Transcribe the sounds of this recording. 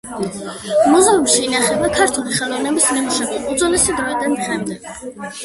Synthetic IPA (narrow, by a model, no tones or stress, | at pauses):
muzaupʃiːnaχɛbakʰaɾt̪ʰuliχɛlˠɔvnɛbismimuʃɛb̪iud̪zɔlɛsad̪ɾɔid̪anχɛmd̪ɛɡ